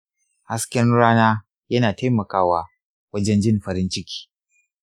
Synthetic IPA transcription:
ha˦skʲɛ˦nɽaː˦naː˦ | jɐ˦naː˨taː˦jmɐ˨kaː˦waː˨ | wɐ˦d͡ʒɛ˦nd͡ʒɪ˦nɸɐ˨ɾɪ˦nt͡ʃɪ˦kʲi̥ː˦

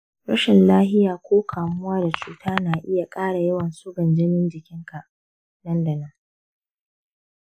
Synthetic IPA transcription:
ɽɐ˦ʃɪ˨nlaː˦ɦɪ˦jaː˨kʷoː˦kʰaː˨mʊ˦waː˦da˨t͡ʃuː˨tʰaː˦naː˨ʔɪ˦ja˨kʼaː˦ɽa˨jɐ˦wɐ˨nsʊ˦ɡɐ˨nd͡ʒɪ˦nɪ˦nd͡ʒɪ˨kʲɪ˦ŋka˨ʔ | dɐ˦ndɐ˨nɐ˦ŋ

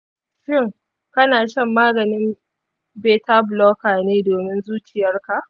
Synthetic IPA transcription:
ʃɪ˦˨ŋ | kɐ˦naː˨ʃɐ˦mːaː˦ɡɐ˨nɪ˦m | beː˦ta˦blɔː˦kaː˨neː˦doː˨mɪ˦nzuː˦t͡ʃɪ˨jɐ˦rka˨ʔ

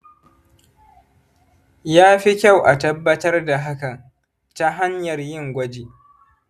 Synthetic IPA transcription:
jaː˦ɸi˦kʲa˦˨wʔa˨tɐ˦bːɐ˦tɐ˦rda˨ɦa˦ka˨ | ta˦ɦa˦ɲjɐ˨rjɪ˦ŋɡʷɐ˦d͡ʒeː˨

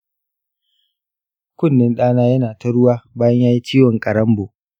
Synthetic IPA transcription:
kʷʊ˦˨nːɪ˦nɗaː˦naː˦jɐ˦naː˨tɐ˦ɽʊ˦waː˦baː˦jɐ˦ɲjaː˦ji˦t͡ʃiː˦wɐ˨ŋkʼɐ˨ɽɐ˦mboː˨

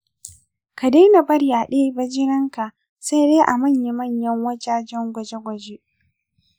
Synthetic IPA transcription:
ka˨deː˦na˨bɐ˦ɽjaː˨ɗeː˦bɐ˦d͡ʒɪ˦nɪ˦ŋka˨ʔ | sa˦jdeː˦ʔa˨mɐ˦˨ɲja˨˦mɐ˦˨ɲjɐ˦ŋwɐ˦d͡ʒaː˦d͡ʒɛ˦ŋɡʷɐ˨d͡ʒe˦ɡʷɐ˨d͡ʒe˦ʔ

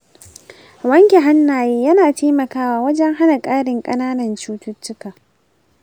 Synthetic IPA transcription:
wɐ˦ŋkʲe˨ɦa˦nːaː˨jeː˦jɐ˦naː˨tʰeː˦mɐ˨kaː˦waː˦wɐ˦d͡ʒɛ˦ŋɦa˦na˨kʼaː˦ɽɪ˨ŋkʼɐ˦naː˦nɐ˨nt͡ʃuː˦tʊ˦t͡ʃːʊ˦kaː˨

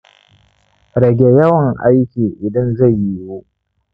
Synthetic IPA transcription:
ɾɐ˨ɡʲe˦jɐ˦wɐ˨ŋʔa˦jkʲiː˨ʔɪ˨dɐ˦nza˦˨jːi˦woː˦

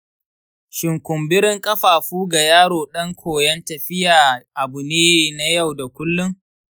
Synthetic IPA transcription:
ʃɪ˨ŋkʷʊ˨mbɪ˦ɾɪ˦ŋkʼɐ˦ɸaː˨ɸuː˦ɡa˨jaː˦ɽoː˨ɗɐ˦ŋkʷʰoː˨jɐ˦ntɐ˨ɸɪ˦jaː˨ʔa˨bʊ˨neː˦na˦ja˦˨wda˨kʷʊ˦lːʊ˦ŋ

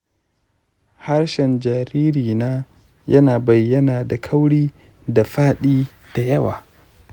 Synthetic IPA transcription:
ha˦rʃɛ˨nd͡ʒaː˨ɾiː˦ɾiː˨naː˦ | jɐ˦naː˨bɐ˨jːɐ˦naː˨da˨kʰɐ˦wɽiː˦ | da˨ɸaː˦ɗiː˦ | d̥a˨jɐ˦wa̰ː˨

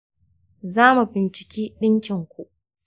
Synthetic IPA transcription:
zaː˦mu˨bɪ˨nt͡ʃɪ̥˨kʲiː˦ɗɪ˦ŋkʲɪ˨ŋkʷu˨ʔ

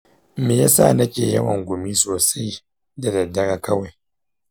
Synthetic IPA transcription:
meː˨ja˦sa̰˦˨nɐ˦kʲḛː˨jɐ̰˦wɐ˨ŋɡʷʊ˨mi˦soː˨sa˦j | da˨dɐ˨dːɐ˦ɾa˦kɐ˦wa˨j

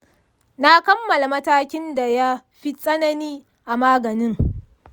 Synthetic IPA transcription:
na˦kɐ˦mːɐ˨la˨mɐ˦taː˦kʲɪ˦nda˨ja˦ɸi˦sʼɐ˦nɐ˦niː˦ | ʔa˨maː˦ɡɐ˨nɪ˦ŋ

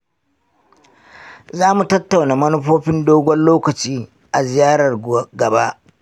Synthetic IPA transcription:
zaː˦mu˨tɐ˦tːa˨wnaː˨mɐ˦nʊ˦ɸoː˦ɸɪ˦ndoː˦ɡʷɔ˦nloː˦kɐ˨t͡ʃiː˦ | ʔa˨zɪ˨jaː˦ɽɐ˨rɡɐ˨ba˦ʔ

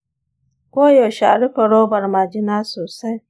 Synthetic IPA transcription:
kʷo˦jo˨ʃa̰˨ɾɪ˦fɔ˨ɾo˦ba˨ɾma˨d͡ʒɪ˦na˦sʊ˨sa˦

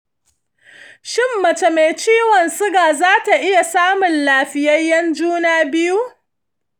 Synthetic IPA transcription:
ʃɪ˦mːɐ˨t͡ʃe˨me˨jt͡ʃiː˦wɔ˨nsʊ˦ɡaː˨zaː˦ta˨ʔɪ˦ja˨saː˦mʊ˨nlaː˨ɸɪ˦jɐ˦jːɐ˦nd͡ʒuː˦naː˦bɪ˦ju˦

